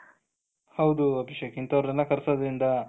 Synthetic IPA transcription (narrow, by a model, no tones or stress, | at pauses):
hɐwd̪uɐbʱiʃɐkint̪ɐʋɾud͡ʒɐnːɐkɐɾsɐd̪ɐɾind̪ɐ